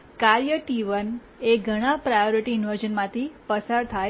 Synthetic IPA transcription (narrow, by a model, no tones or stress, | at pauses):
kaɾjəʈiʋən | eɡʱəɽ̃ãpɾajoɾiʈiɪnʋəɾd͡ʒənmãt̪ʰipəsaɾt̪ʰaj